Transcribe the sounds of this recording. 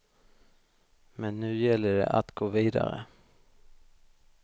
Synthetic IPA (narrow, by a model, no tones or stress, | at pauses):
mɛnːʉ̟ːjɛlːəɖɛ̰ʔat̪ɡoːviːd̪aɾə̰